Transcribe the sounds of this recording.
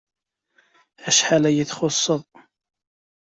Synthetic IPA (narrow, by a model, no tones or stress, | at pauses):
æʃħalæjəθχʊsˤːəðˤ